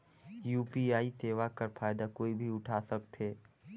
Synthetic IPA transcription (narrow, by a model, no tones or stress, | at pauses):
juːpiaːiseːʋakəɾpʰaːjd̪akoːibʱiʊʈʰaːsək̚t̪ɦeː